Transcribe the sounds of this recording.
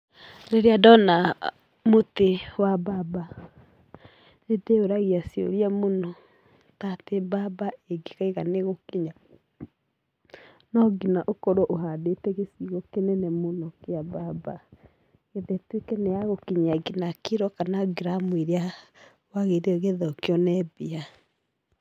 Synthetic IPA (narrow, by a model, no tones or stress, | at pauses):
ɾeɾeadɔna | motewababa | edeoɾaɣiasiɔ̰ɾiamonɔ | tatebabaeɡeɣaiɣaneɣokiɲa | nɔɡinaʔokɔɾoʔoɦadetɛɣesiɣɔkenɛnɛmonɔkeababa | ɣeðɛtwekɛnɛjaɣokiɲaɡinakeɾɔkanaɡiɾamweɾea | waɣeɾeɔɣeðɔkeɔnɛbia